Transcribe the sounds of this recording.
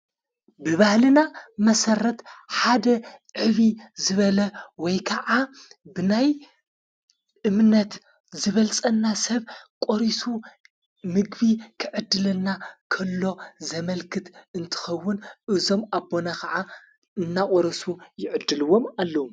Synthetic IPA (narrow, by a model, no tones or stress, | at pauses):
bɨβahlɨnamɐsɐɾɐt̪ħad̪ɐʕɨβizɨβɐlɐwɔjkʰɐʕabɨnaj | ʔɨmnɐt̪ | zɨβɐlt͡sʼɐnːasɐβkʼoɾisu | mɨɡβikʰɨʕɨd̪ːɨlɐnːakʰɐlːo̞zɐmɐlkʰɨt̪ɨnt̪ʰɨ̥xɐwːʊnʔɨzo̞mabːonakɐʕa | ɨnːakʼoɾɐsujɪʕɨd̪ːɨlɨwo̞malːɐu